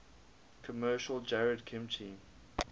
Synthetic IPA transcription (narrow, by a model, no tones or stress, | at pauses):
kʰəmɜːˑʃəlˠd͡ʒɛɹədkʰɪ̃mtʰĩm